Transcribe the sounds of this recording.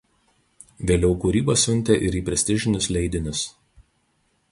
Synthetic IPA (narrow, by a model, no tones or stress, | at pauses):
ʋʲeːlʲɛʊkuːɾʲiːbɐsʲʊnʲt̪ʲɛʔɪɾiːpʲɾʲɛsʲt̪ʲɪʒʲɪnʲʊslʲɛɪd̪ʲɪnʲʊs